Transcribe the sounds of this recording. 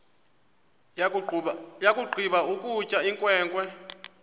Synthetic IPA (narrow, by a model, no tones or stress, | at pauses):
jakʼuɡ͡ǃʱiɓaukʼut͡ʃʼaiŋkʼwɛːŋkʼwɛ